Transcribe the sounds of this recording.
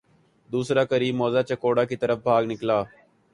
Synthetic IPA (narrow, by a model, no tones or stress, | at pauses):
d̪uːsɾaːkəɾiːmːoːzaːt͡ʃəkoːɽaːkit̪əɾəfbʱaːɡnɪklaː